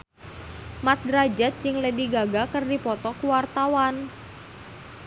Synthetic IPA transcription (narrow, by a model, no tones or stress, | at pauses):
mat̪̚dɾad͡ʒɛt̪̚d͡ʒɪŋlediɡaɡakərdipɔt̪ɔkuwart̪awan